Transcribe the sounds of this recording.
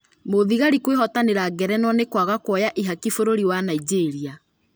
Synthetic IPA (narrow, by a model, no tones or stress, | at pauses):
moðiɣaɾikweɦɔtaneɾaɡɛɾɛnwɔnekwaɣakwɔjaʔiɦakifoɾoɾiwanaid͡ʒeɾia